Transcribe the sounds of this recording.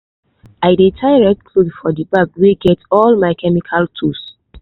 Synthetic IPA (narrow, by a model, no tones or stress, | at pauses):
aɪdetʰaɪɹɛk̚kʰludfɔdibakwiɡɛtɔlmaɪkʰɛmikʰaltʰus